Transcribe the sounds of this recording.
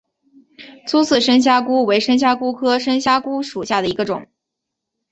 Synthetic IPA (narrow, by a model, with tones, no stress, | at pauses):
t͡sʰu˥t͡sʰɹ̩˥˩ʂə˥nɕ̬ja˥ku˥we˧˥ɪʂə˥nɕ̬ja˥ku˥kʰɤ˥ʂə˥nɕja˥ku˥ʂu˨˩ɕja˥˩d̪ə˩i˧˥ɡə˧ʈ͡ʂʊ̰˨˩˦ŋ